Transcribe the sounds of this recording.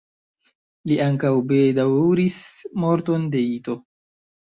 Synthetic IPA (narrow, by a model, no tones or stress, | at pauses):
liaŋkawbedawɾismo̞ɾto̞nde̞ito̞